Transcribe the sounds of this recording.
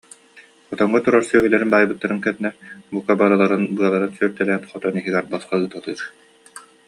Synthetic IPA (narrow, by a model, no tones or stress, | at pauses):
ɔt̪ɔŋːɔt̪uɾaɾsyœːɦylɛɾinb̪aːjbɯt̪ːaɾɯŋkɛnːɛbukabaɾɯlˠaɾɯnbɯɐlˠaɾɯnsyœɾt̪ɛlɛːnχɔt̪ɔniɦiɡɛɾbasχaɯːt̪alˠɯːɾ